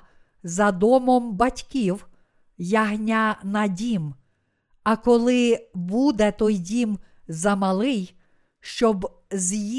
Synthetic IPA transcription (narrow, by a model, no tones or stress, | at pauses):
zɐd̪ɔmɔmbɐtʲkʲiw | jɐɦnʲanɐdʲim | ɐkɔlˠɪbud̪ɛt̪ɔjdʲim | zɐmɐlˠɪj | ʃt͡ʃɔb | zji